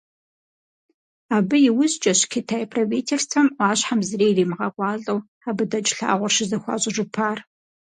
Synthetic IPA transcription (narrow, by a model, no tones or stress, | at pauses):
aːbɨjɪwʊzt͡ʃʼɐɕkʰitʰajpʰroviːtʰerstʰɐmʔʷɑːɕħamzɨreːjriːmɨʁɐqʷɑːɮʼɐw | aːbɨdɐt͡ʃʼɬa̰ːʁʷʊrʃɪzɐxʷɑ̰ːɕʼɪʒʼɪpʰaːr